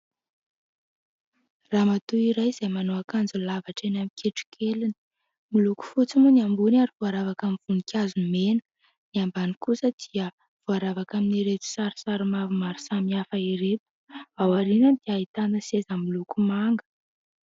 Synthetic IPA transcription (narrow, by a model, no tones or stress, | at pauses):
raːmat̪uiɾajz̥ajmanoakand͡zulavaʈ͡ʂenamikʰeʈ͡ʂu̥kʰelini̥ | muluku̥fut͡simuniambunaɾivuaɾavakamiv̥unikʰʲjazumenə̥ | niambanikusəd̪̥iə | v̥uaɾavakaminiɾet̪i̥saɾi̥saɾumavumaɾu̥samiafaiɾep̪u̥awaɾinənd̪iait̪and̪əsezəmulukumaŋɡə̥